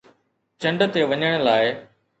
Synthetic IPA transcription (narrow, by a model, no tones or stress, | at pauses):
t͡ɕɐ̃ɳɖt̪eʋɐɲəɽ̃laːɪ